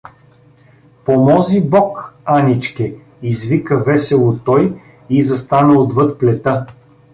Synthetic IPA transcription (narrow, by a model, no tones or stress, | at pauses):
pomɔzibɔkanʲit͡ʃkɛ | izvikəvɛsɛlˠot̪ɔj | izɐst̪anəod̪vɤt̪̚plɛt̪ə